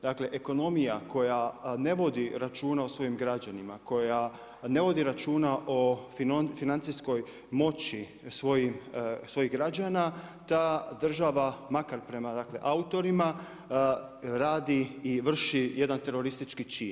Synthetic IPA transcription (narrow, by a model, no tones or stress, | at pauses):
d̪akle̞ʔeko̞no̞mijakʰo̞jane̞ʋo̞d̪iɾat͡ʃuːnaosʋo̞jimɡɾad͡ʑanimako̞ja | ne̞ʋo̞d̪iɾat͡ʃuːnaʔo̞ffinant̪sisko̞j | mo̞t͡ɕi | sʋo̞jimsʋo̞jiɦɡɾad͡ʒanat̪aːd̪r̩ʒaʋamakaɾpɾe̞mad̪aːkle̞̰ʔaut̪o̞ɾima | ɾaːd̪iːʋr̩ʃije̞d̪ant̪e̞ɾo̞ɾist̪it͡ʃkit͡ʃiːn